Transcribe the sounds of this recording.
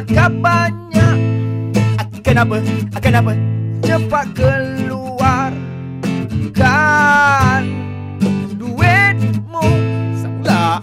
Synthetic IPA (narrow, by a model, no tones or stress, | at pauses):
akabaɲak̚ | kanapəakanapət͡ʃəpakəluar | ka | n | duduwen̚musala